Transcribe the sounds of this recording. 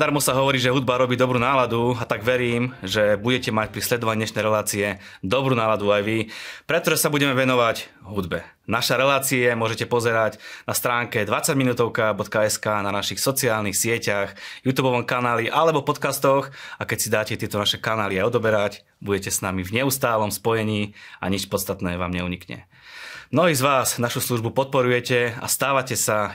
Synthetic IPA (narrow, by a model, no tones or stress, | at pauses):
d̪aɾmɔsaɦɔʋɔɾiːʒɛɦud̪̚baɾɔbiːd̪ɔbɾuːnaːlad̪uat̪aɡʋɛɾiːmʒɛbuɟɛcɛmac̚pɾislɛd̪ɔʋaɲiːɲɛʃnɛjɾɛlaːt͡siɛ | d̪ɔbɾuːnaːlad̪uajʋipɾɛt̪ɔʒɛsabuɟɛmɛʋɛnɔʋaɟ | ɦud̪bɛ | naʃaɾɛlaːt͡siɛmʊɔʒɛcɛpɔzɛɾaɟnast̪ɾaːŋkɛd̪ʋat͡saɟminuːt̪ɔʊkabɔt̪kaɛskaːnanaʃixsɔt͡siaːlnixsɪɛcaxjut̪uːbɔʋɔmkanaːliʔalɛbɔpɔt̪kast̪ɔxakɛcsid̪aːcɛt̪ɪɛt̪ɔnaʃɛkanaːliaɔd̪ɔbɛɾac | buɟɛcɛsnamivɲɛust̪aːlɔmspɔjɛɲiːa̰ɲit͡ʃpɔt̪st̪at̪nɛːʋa̰ːmɲɛuɲikɲɛ̰ | mnɔɦiːzʋaːznaʃusluʒbupɔt̪̚pɔɾujɛcɛa̰st̪aːʋacɛsa